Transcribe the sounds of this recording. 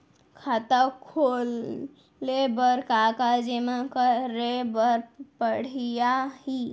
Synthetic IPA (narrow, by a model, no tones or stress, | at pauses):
kʰat̪əkʰol | ebəɾkakad͡ʒemakəɾebəɾpəɽ̤ijahi